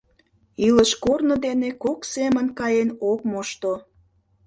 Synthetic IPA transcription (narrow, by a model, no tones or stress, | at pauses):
iləʃkornə̆d̪enekoksemənkɑjenok̚moʃt̪o